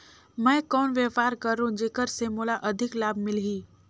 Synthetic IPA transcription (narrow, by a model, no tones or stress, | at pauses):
mɛ̃ːkɔːnʋjəfaːɾkəɾːũd͡ʒeːkəɾsemoːlaʔɐd̪ʱɪklaːbmɪlɦiː